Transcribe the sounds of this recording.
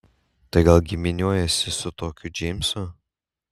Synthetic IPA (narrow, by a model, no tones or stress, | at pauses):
t̪ɐɪɡɐlˠɡʲɪmʲɪnʲuɔjɛsʲɪsʊt̪oːkʲʊd͡ʒʲɛɪmʲsʊ